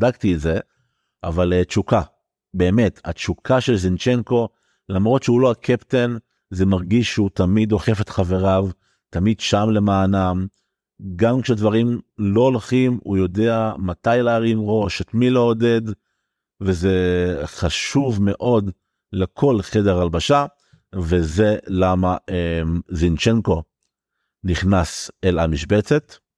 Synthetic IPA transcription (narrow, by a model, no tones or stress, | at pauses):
daktiːtze | ʔavalt͡ʃuka | be̞ːmeta̰t͡ʃukʰaʃe̞lzint͡ʃenko̞ | lamʁo̞tʃeulo̞akʰepten | ze̞maʁɡiʃːeutamido̞χe̞fet̪χave̞ʁav | tamidʃamle̞maːnam | ɡamkʃedvaʁimlo̞olχimujo̞de̞amatajlaaʁimʁo̞ʃetmileode̞d | veze̞χaʃuvme̞ʔo̞d | lekʰo̞lχedeʁalbaʃa | vezelamaemzint͡ʃeŋko̞ | niχnaselamiʃbet͡se̞t